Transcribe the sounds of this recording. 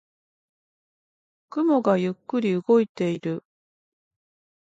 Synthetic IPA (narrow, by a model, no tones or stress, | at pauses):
kɯ̟mo̞ɡajɯkːɯ̟ɾʲiɯɡo̞it̪e̞iɾɯ̟